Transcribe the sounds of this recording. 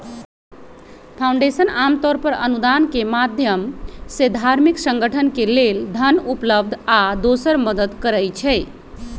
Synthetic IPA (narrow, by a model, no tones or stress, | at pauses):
pʰãuɳɖesənamt̪ɔɾpəɾə̰nud̪ankemad̪ʱjəmsed̪ʱaɾmiksəŋɡəʈʰənkeleld̪ʱənupləbd̪ʱad̪osəɾməd̪əd̪kəɾɛjt͡ʃʰɛ